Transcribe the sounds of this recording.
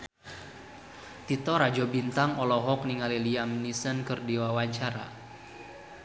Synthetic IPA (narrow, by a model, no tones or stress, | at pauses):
t̪it̪ɔɾad͡ʒɔbint̪aŋɔlɔɦɔk̚niŋaliliamnisənkərdiwawaɲt͡ʃaɾa̰